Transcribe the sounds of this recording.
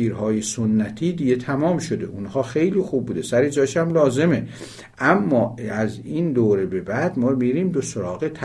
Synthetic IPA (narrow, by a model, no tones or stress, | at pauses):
iːɾhɒːjesonːæt̪ʰiːd̪iɡʲe̞t̪ʰæmɒːmʃod̪e̞̰ʔunhɒːxejliːxub̚buːd̪e̞sæɾed͡ʒɒːʃæmlɒːze̞me̞ | ʔæmːɒːæziːnd̪oːɾe̞be̞bæd̪mɒːmiɾiːmd̪osoɾɒːɣet̪ʰ